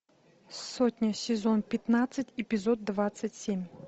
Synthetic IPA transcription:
sotʲnʲəsʲɪzonpʲɪt̪nat̪sɨtʲɪpʲɪzod̪̚ːvat̪sɨtʲsʲemʲ

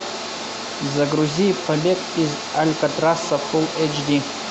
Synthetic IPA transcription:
zaɡɾuzʲijpʰabekʼiz | alʲkʼatʼrasafulet͡ʃʰdi

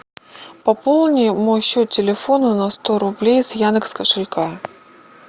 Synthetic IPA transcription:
pɐpolˠnʲɪmojɕut̪̚ʲtʲɪlʲɪfo̞nʊnɐst̪oɾʊblʲejsjanɨkskəʂɨlʲka

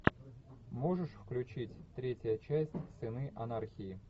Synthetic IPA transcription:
mo̞ʐɨʂfklʲʉt͡ɕitʲt̪ɾʲetʲəjət͡ɕæsʲtʲsɨnɨʔɐnarxʲɪɪ

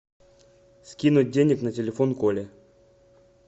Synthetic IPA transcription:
skʲinʊt̚ʲdʲenʲɪknətʲɪlʲɪfonkolʲɪ

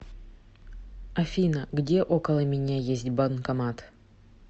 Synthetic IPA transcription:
ɐfʲinəɡdʲe̞ʔo̞kəlˠəmʲɪnʲajesʲtʲbɐnkɐmat̪

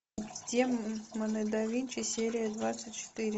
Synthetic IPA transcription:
d̪ʲemənəd̪ɐvʲinʲt͡ɕɪsʲeɾʲɪjəd̪vat̪sɨtʲt͡ɕɪ̥t̪ɨɾʲɪ

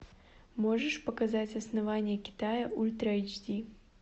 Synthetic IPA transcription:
mɔʐɐʂpɐkazat͡sʲɐsnavanʲːɛkʲi̥t̪ajɐulʲt̪ɾajd͡ʒdʲi

